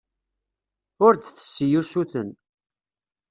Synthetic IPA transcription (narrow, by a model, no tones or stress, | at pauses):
ʊɾd̪θə̥sːjusuθən